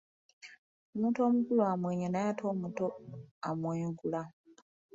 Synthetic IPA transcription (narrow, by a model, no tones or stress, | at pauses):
omuto̞ːmukulwamweːɲenajatʰoːmutoamweːŋɡula